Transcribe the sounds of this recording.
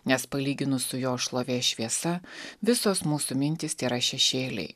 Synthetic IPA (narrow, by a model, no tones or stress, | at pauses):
nʲɛspɐlʲiːɡʲɪnʊsʊjoːʃlˠoːʋʲeːʃʲʋʲiɛsɐʋʲɪsoːsmuːsʊmʲɪnʲt̪ʲɪst̪ʲeːɾɐʃʲɛʃʲeːlʲɛ̰ɪ